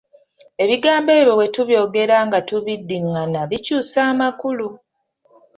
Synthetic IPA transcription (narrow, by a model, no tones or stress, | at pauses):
e̞βiɡaːmbe̞ːβjo̞βwe̞tuβjo̞ːɡe̞ɾaːŋɡatuβidːimanaβicuːsaːmakulu